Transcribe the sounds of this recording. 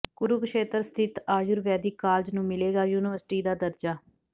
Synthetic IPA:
ɡ̥ʊɾuːkəʃeːt̪əɾst̪ʰɪt̪aːjʊɾʋɛːd̪iːkaːld͡ʒnũːmɪleːɡaːjuːnɪʋəɾsʈiːd̪aːd̪əɾd͡ʒaː

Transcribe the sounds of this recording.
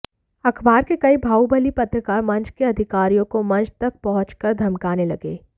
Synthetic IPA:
ɐkʰbaːɾkekɐibʱaːubɐlipɐt̪ɾəkamɐ̃nt͡ʃʰkeɐd̪ʱɪkaːɾijõkomɐ̃nt͡ʃʰt̪ɐk̚pɐɦʊ̃t͡ʃkɐɾd̪ʱɐmkaːnelɐɡḛː

